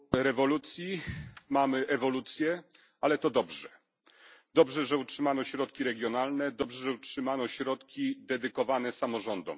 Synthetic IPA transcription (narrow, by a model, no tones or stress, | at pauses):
ɾɛvɔlut̪sʲjimamɘʔɛvɔlut̪sʲjɛ | alɛt̪ɔd̪ɔbʐɛ | d̪ɔbʐɛʐɛutʂɘmanɔɕɾɔt̪kʲiɾɛɡʲjɔnalnɛd̪ɔbʐɛʐɛutʂɘmanɔɕɾɔt̪kʲid̪ɛd̪ɘkɔvanɛsamɔʐɔnd̪ɔ̰m